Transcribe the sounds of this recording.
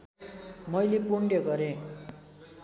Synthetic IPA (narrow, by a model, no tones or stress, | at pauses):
mʌjlepuɳɖjʌɡʌɾẽ